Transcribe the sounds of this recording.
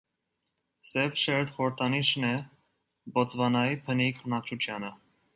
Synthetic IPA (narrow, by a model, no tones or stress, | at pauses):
sɛvʃɛɾt̪χɔɾəɾt̪ʰɑniʃnɛ | bɔt͡svɑnɑjipʰənikʰənɑt͡ʃʰut͡ʃʰjɑnə